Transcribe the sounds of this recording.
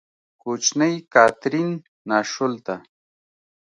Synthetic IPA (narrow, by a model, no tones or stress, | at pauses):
kʊt͡ʃnajkaːt̪ɾinː | aʃʊlt̪a